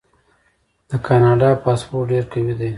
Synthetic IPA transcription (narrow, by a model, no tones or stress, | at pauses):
d̪̥əkɑnɑɖɑpɑːspoʈɖeɾkawid̪e